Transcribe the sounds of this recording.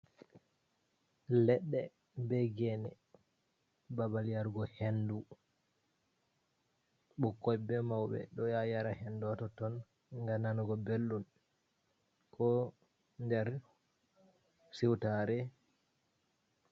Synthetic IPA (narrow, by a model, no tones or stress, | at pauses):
lɛɗːɛ | bɛɡɛnɛ | babalijaɾɡɔhendu | ɓɔkːɔjbɛmawɓɛ̰ɗɔjajaɾahɛndɔtɔtɔn | ŋɡananuɡɔbelːun | kʰɔ | ndɛɾ | siwtaɾɛ